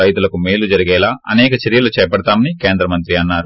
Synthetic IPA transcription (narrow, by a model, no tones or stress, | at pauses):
ɐjt̪ulɐkumeːlud͡ʒɐɾiɡɛːlaːʔɐnɛːkɐt͡ʃɐɾijɐlut͡ʃɛːɐpɐɽɐt̪aːmɐnikeːnd̪ɾɐmɐnt̪ɾiɐnːaːɾu